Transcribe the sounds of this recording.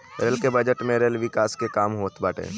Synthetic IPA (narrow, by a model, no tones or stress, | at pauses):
ɾelkebɐd͡ʒəʈmẽɾelʋɪkaːskekaːmɦoːt̪baːʈḛː